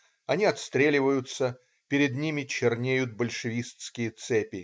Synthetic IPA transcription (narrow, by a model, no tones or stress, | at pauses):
ɐnʲiɐt̪st̪ɾʲelʲɪvəjʊt̪sə | pʲɪɾʲɪd̪nʲimʲɪt͡ɕɪrnʲejʊt̪̚bəlʲʂɨvʲist̪skʲɪjət̪sɛpʲɪ